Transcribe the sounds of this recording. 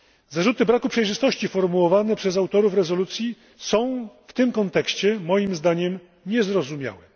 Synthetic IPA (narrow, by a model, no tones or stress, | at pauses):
zaʐut̪ɘbɾakupʂɛjʐɘst̪ɔɕt͡ɕifɔɾmuwɔvanɛpʂɛzawt̪ɔɾufɾɛzɔlut̪sʲji | sɔ̃w̃ft̪ɘmkɔnt̪ɛkɕt͡ɕɛmɔjimzd̪aɲɛm | ɲɛzɾɔzumʲja̰wɛ